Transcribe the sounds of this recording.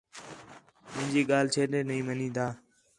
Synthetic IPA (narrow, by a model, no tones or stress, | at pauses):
mɪ̃ɪ̃d͡ʒiːɠaːlt͡ʃʰeːɗeːnəĩːmənĩːd̪aː